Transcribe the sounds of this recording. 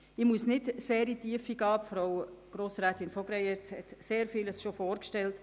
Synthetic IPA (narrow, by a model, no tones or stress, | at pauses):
ɪmuəsnɪdseːɾitiːəfiɡɑːpfɾowɡ̥ɾoːsɾæːtɪnfɔɡ̥ɾɛɪjɛt͡shɛtseːɾfiːləsʃofoːɾkʃtɛlt